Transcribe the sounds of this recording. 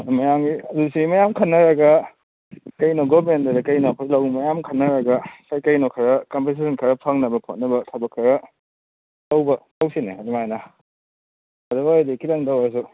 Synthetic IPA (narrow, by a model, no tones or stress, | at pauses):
mɐjamɡiɐdusiimɐjamkʰɐnːɐɾɐɡɐ | kɐjnoɡomentɐɾɐkɐjnopʰlɐwŋmɐjamkʰɐnːɐɾɐɡɐkajkɐjnokʰɐɾɐkɐmpes̬esɐnkʰɐɾɐpʰaŋnɐbɐpʰot̚nɐbɐtʰɐbɐkʰːɐɾɐ | tawbɐtawsineadumajnɐ | ɐdubajdekilaŋdawaɾs̬u